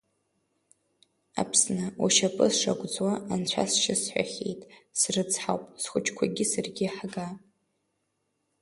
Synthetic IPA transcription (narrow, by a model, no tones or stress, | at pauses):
a̰pʰsnɨuʃapʼɨzʂaɡʷʼd͡zwaːnt͡ɕʷʰa̰sʃɪsħʷᶣa̰χʲejtʼsrɨt͡sʰʼħawpʼsχʷʊt͡ʃʰkʷʰaɡʲɪsarɡʲiħɡa